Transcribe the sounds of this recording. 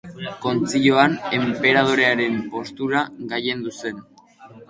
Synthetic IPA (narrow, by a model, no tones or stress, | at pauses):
ko̞nt͡siʎoane̞mpe̞ɾað̞oɾe̞aɾe̞mpo̞st̪uɾaɣaje̞nd̪use̞n